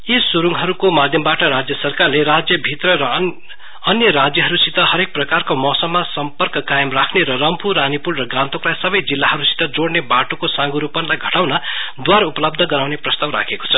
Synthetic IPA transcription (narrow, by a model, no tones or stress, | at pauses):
isuɾuŋɦʌɾukomad̪ʱjʌmbaʈʌɾad͡zjʌsʌrkarlerad͡zjʌbʱit̪rʌɾʌː | njʌɾad͡zjʌɦʌɾusit̪ʌɦʌɾek̚prʌkarkomʌsʌmːasʌmpʌrkʌkajʌmrakʰneɾʌrʌmpuɾanipuɽrʌɡãnt̪oklajsʌbʌjd͡zilːaɦʌɾusi̥t̪ʌd͡zoɽnebaʈokosãŋɡuɾupʌnlajɡʱʌʈawnʌd̪waɾupʌlʌb̚d̪ʱʌɡʌɾawneprʌst̪awɾa̰kʰeko̥t͡sʰʌ